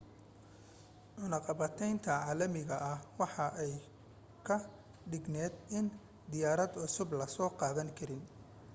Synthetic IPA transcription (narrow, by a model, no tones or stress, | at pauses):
ʕʊnɑqɑβɐt̪ʰɛjnt̪ʰɐʕɑːlɐmɪɣɐʔɐhwɑħɑʔɛj | kʰɐ | ɖɪɡnɛːd̪ɪn | d̪ɪjaːɾɐd̪ʕʊsʊblɐsɔːqɑːðɐŋkʰɐɾɪn